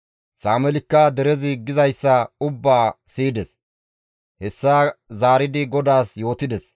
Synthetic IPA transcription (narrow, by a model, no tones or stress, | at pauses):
saːmɛlɪkːad̪ɛɾɛzɪɡɪzɐjsːɐʊbːaːsiːd̪ɛs | hɛsːaːzaːɾɪd̪ɪɡɔd̪aːsjo̞ːt̪ɪd̪ɛs